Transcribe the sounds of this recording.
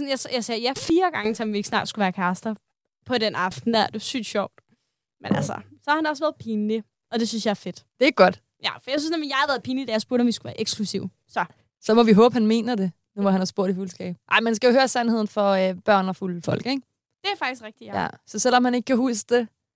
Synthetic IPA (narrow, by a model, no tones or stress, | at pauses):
snjasjɑ̈ɪsɛːjæfiːɐɡ̥ɑ̈ŋət͡sʰe̝lɒmʋie̝ɡ̥snɑ̰̈ːd̥sɡ̥uʋæːɐkʰæsd̥ɐ | pʰɒ̽ɾenɑ̈fd̥n̩æd̥e̝sy̰ːd̥ɕɒʊ̰d̥ | menælsɐ̰sɒhɑhnd̥eɒ̽sʋæːɐð̩ˠpʰiːnli | ʔɒ̽d̥e̝synsjɑæɐfe̝d̥d̥e̝ɡ̥ɒ̽d̥ | jæfɒjɑɪsynsnemnjɑ̈hæɐʋæɐð̩ˠpʰiːnid̥æjasb̥uɐɾ̥ɒmʋisɡ̥uʋæːɐʔeɡ̥sɡ̥lusiʊ̰ | sɒ̽ | sɒ̽mɒ̽ʋiɦɔːb̥hænme̝̰ːnɐde̝ | nuʋɑhænæsb̥o̝ɐ̰ɾ̥ifulsɡ̥ɛ̰ːb̥ʔɑ̈ɪ̰mænsɡ̥æjo̝høːɐsænhe̝ð̞̰ˠn̩fɒ̽øb̥ɶɐ̰nɒfulfɒ̽l̰ɡ̥eɡ̥ | d̥e̝æfɑ̈ɡ̥d̥isɡʁɛɡ̥d̥ijæ̰sɒ̽sel̰ɒ̽mhæne̝ɡ̥ə̥kʰæhuːsd̥e̝